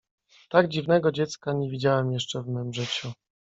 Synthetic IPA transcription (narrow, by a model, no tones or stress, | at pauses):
t̪aɡd͡ʑivnɛɡɔd͡ʑɛt̪skaɲevʲid͡ʑawɛmjɛʂt͡ʂɛvmɔmʐɘt͡ɕu